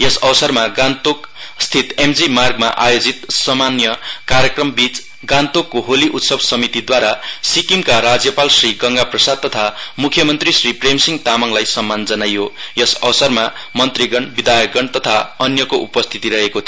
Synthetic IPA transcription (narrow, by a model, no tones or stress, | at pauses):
jʌsʌbʌsʌrmaɡant̪okst̪ʰit̪emd͡zimarɡ̚maʔajod͡zit̪sʌmanjʌkaɾjʌkrʌmbit͡s | ɡãnt̪okːoɦoliʔut̪sʌbsʌmit̪id̪waɾasikimkaɾad͡zjʌpalsriɡʌŋɡaprʌsad̪̚t̪ʌt̪ʰamukʰjʌmʌnt̪risripremsiŋɡt̪amʌŋlajsʌmːand͡zʌnajojʌsʌ̰wʌsʌrma | mʌnt̪riɡʌɳbid̪ajʌɡʌɳt̪ʌt̪ʰaʌnjʌkoʔupʌst̪ʰit̪iɾʌɦekot̪ʰ